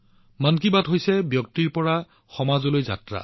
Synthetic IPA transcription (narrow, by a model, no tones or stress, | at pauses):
mankibatɦojsɛbjɔk̚tiɹpɔɹa | xɔmazolojza̰tɹa̰